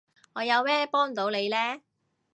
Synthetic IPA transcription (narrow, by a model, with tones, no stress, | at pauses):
ŋɔː˨˧jɐ˨˧wmɛː˥pɔː˥ŋ̩˨t̪o˨˧˥wle˨˧jlɛː˥